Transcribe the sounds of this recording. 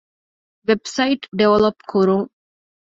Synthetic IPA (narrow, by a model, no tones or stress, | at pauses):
ʋebsɐiʈɖeʋɐlopkʰuɾuŋ